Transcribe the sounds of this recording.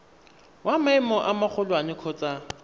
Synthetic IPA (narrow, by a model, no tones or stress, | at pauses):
wamaɪmɔʔamak͡xʰʊlwanɪkʰɔt͡sʼa